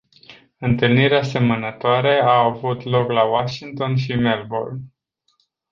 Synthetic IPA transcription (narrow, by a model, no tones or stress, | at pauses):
ɨnt̪ɨlniɾease̞mənət̪oaɾeaːvut̪lo̞klawaʃiŋt̪o̞nʃimelbol